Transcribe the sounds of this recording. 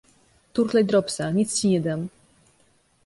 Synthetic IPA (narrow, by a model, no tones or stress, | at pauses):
t̪uɾlajd̪ɾɔpsaɲʲit̪st͡ɕiɲʲɛd̪am